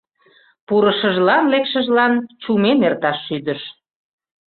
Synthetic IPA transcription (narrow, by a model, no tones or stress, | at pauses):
puɾəʃəʒlɑnlekʃəʒlɑnt͡ɕumenert̪ɑʃːyd̪əʃ